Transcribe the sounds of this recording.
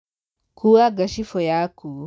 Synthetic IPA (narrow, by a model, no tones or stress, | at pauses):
kuwaɡaʃifɔjaku